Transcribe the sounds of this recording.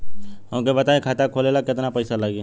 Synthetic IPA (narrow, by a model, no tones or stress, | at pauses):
ɦõːkebɐt̪aːẽkʰaːt̪akʰoːleːlakɪt̪napɐɪsalaɡe